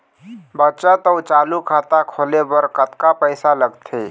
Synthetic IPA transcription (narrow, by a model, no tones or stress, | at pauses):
bətːt͡ʃət̪əːt͡ʃaːlukʰaːt̪akʰoːlebəɾkət̪kapəɪsaləɡt̪ʰḛː